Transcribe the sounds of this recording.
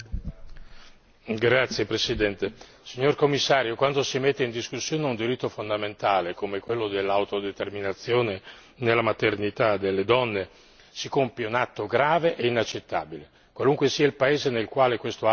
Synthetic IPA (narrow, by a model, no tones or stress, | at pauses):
ɡɾat̪sːjepɾesid̪ɛnt̪e | siɲːorkomːisːaːɾjokwand̪osimet̪ːeind̪iskusːjoːneund̪iɾit̪ːofond̪ament̪aːlekomekwelːod̪elːawt̪od̪et̪erminat̪sːjoːne | nelːamat̪ernit̪ad̪elːed̪ɔnːe | sikompjeunat̪ːoɡɾaːveʔeinat͡ʃːet̪ːa̰ːbile | kwaluŋkwesiːailpaeːzenelkwaːlekwest̪o